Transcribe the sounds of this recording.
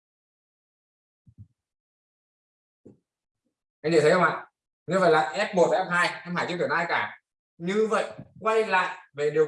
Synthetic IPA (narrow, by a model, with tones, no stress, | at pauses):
ʔa˧jŋɲi˧˩t̪ʰhə˧ŋ͡ma̰ː˧˨ | ɲɨ˧və̰˧˨jlaː˨˩ʔɛ˦˥p̚mo˨˩t̚ʔa˨˦ɛ˦˥p̚haː˧jɛ˧˥mhaː˧˩t͡ɕi˧˨t̪i˧˩naː˧jkaː˧˩ | ɲɨ˧və̰˧˨jkwa˧jla̰ː˧˨ʔve˨˩ɗi˨˩ə